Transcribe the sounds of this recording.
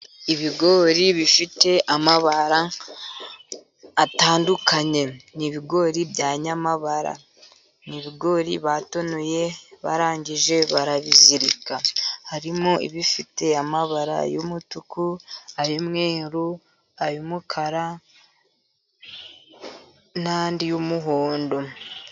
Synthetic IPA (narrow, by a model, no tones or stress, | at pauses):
iβiɡo̞ːɾiβifite̞ʔamaβaɾa | taːndukaɲe̞niβiɡo̞ɾibjaːɲamaβaɾa̰ | niβiɡo̞ɾḭβato̞noje̞βaɾaːɲɟiʒe̞βaɾaβiziɾikahaɾimoḭβifite̞amaβaɾa̰jomutukuajomŋeːɾu | ajumukʰaɾa | nandijumuɦoːndo̞